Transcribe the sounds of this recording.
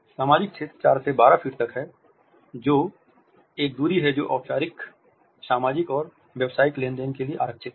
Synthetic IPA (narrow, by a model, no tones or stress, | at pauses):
saːmaːd͡ʒɪk̚t͡ʃʰeːt̪t͡ʃaːɾsebaːɾafʰiːʈt̪ɐkɦɛ | d͡ʒoː | eːk̚d̪uːɾiɦɛd͡ʒo̰ːʔaːt͡ʃaːɾɪk | saːmaːd͡ʒɪkɔːɾ | ʋjɛʋsaːɪklẽːnd̪enkelieʔa̰ːɾəkʃʰɪt̪̚ɦɛ